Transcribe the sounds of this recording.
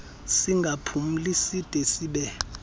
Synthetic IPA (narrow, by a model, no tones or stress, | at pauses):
siŋɡʱapʰum̩lisid̥ʱʼesiɓɛ